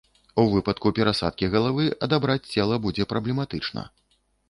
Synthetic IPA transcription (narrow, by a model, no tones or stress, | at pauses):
uvɨpɐt̪kupʲɛɾasa̰t̪̚kʲiɣɐlˠavɨʔɐd̪abɾat͡sʲt͡sʲɛlˠɐbud͡zʲɛpɾɐblʲɛmat̪ɨt͡ʂnɐ̰